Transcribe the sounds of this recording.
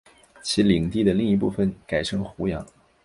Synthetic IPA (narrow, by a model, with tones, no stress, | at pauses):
t͡ɕʰi˧˥li˨˩ŋt̪i˥˩d̪ə˩li˥˧ŋi˧˥p̬ṵ˥˩fə˨˩nka˨˩ɪʂɤ˥ŋxu˧˥jɑ˧˥ŋ